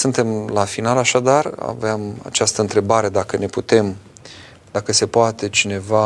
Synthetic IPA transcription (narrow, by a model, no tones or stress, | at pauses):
sɨnt̪e̞mlafinalaʃad̪ara̰veama̰t͡ʃast̪əɨnt̪ɾe̞baɾe̞d̪akəne̞put̪e̞m | d̪akəse̞poat̪e̞t͡ʃine̞va